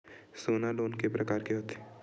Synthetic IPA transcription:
soːnaloːnkepɾɐkaːɾkeɦoːt̪e̥

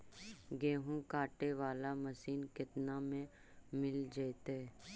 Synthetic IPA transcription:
ɡeːɦũkaːʈeʋaːlamɐsiːnkɪt̪namẽ | mɪld͡ʒeːt̪e

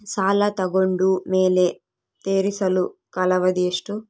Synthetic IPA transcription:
saːlɐt̪ɐɡoɳɖumeːle | t̪eːɾisɐlukɐlɐʋɐd̪ieʂʈu

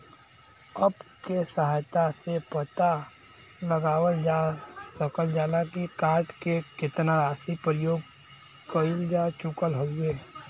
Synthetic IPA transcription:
əbkesəɦaːjt̪asepət̪a | ləɡaːwəld͡ʒasəkəld͡ʒaːlakikaːɾʈkekɪt̪naɾaːsipɾəjoːɡ | kəɪld͡ʒaːt͡ʃʊkəlɦoeː

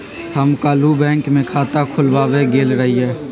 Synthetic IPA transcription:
həmkaːlubɛ̃ːŋkmẽkʰaːt̪akʰʊlʋaːweɡeːlɾɐɦiɦɛː

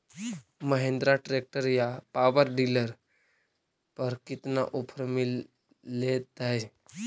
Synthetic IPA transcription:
məɦẽːnd̪ɾaʈɾeːk̚ʈəɾjapaːʋəɾɖiːləɾ | pəɾkɪt̪naʔʊpʰəɾmɪlː | et̪aɦɛ

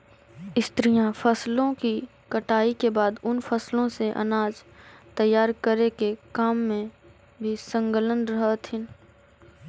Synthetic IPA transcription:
ɪst̪ɾijãfəslõki | kəʈaːikebaːd̪ʊnfʰəslõseʔɐ̰naːd͡ʒt̪əjːaːɾkəɾekekaːmːẽ | bʱisə̃ŋkələnɾəɦt̪ʰɪn

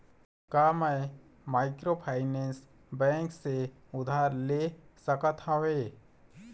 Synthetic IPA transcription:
kaməj | maːɪkɾopʰaːɪnẽːns | bɛ̃ːŋkse | ʊd̪ʱaːɾlesəkət̪ə̃ʋeː

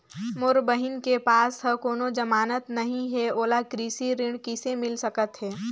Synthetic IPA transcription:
mʊɾbəɦɪnkepaːsɦəkoːnod͡ʒɐmaːnət̪nɐɦĩɦɛoːlakɾiːsiɾɪ̃ɳkɪsemɪlsɐkət̪ɦɛː

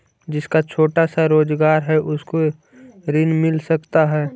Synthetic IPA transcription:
d͡ʒɪskat͡ʃʰoːʈasaɾoːd͡ʒɡaːɾɦɛʔʊsko | ɾɪnmɪlsɐkt̪aɦɛː

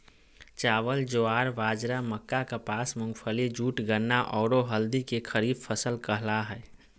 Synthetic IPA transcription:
t͡ʃaːʋəld͡ʒoaːɾʋaːd͡ʒɾaməkːakapaːsmʊ̃ŋɡpʰəlid͡ʒuːʈɡəɾnːaʔɔːɾoɦəld̪ikekʰəɾiːbpʰəsəlkəɦlaɦɛː

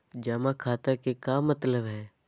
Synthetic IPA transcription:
d͡ʒɐmãkʰaːt̪əkekaːmət̪ləbɦɛː

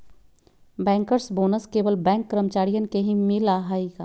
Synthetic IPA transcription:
bɛ̃ːŋkəɾsboːnəskeːbəlbɛ̃ːŋkːɾəmt͡ʃaːɾijənkeɦĩmɪlaːɦaːikaː

